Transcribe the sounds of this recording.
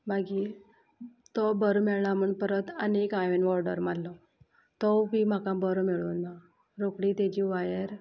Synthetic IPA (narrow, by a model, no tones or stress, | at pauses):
maɡi | t̪ɔbəɾmɛɭɳaməɳpəɾət̪ənekãʋenʋɔɾɖə̰ɾmalːɔ | t̪ɔʋim̤akãbəɾumɛɭuːnːa | ɾokɽit̪ed͡ʑiʋajəɾ